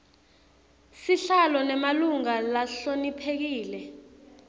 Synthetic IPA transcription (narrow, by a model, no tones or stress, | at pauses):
siɬalɔnɛmaluŋalaɬonipʰek̬iːlɛ